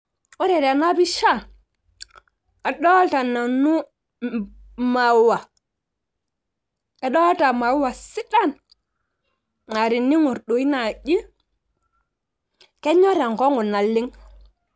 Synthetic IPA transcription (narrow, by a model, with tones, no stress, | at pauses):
o˦ɾe˨ɾa˨na˦bi˦ʃa˦˨ | a˨ɗɔ˦lta˨na˨nu˦ | ma˨wa˨ | a˨ɗɔ˦lta˨ma˨˦wa˨si˦ɗa˦n | na˨ɾi˨nːi˦ŋu˨ɾɗo˨i˦na˨ɟi˦ | ke˦ɲo˦ɾa˨ŋko˦ŋu˨na˨lːi˦ŋ